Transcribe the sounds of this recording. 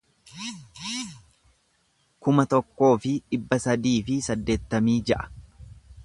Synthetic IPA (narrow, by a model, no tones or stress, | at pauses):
kʊmɐt̪ɔkːo̞ːfɪᶑɪbːɐsɐd̪iːfɪsɐd̪ːe̞ːt̪ːɐmiːd͡ʒɐʔɐ̥